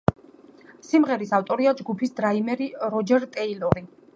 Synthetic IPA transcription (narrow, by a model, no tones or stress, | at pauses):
simʁɛɾisaft̪ʼɔɾiad͡ʒɡupʰisd̪ɾaimɛɾiɾɔd͡ʒɛɾt̪ʼɛilɔɾi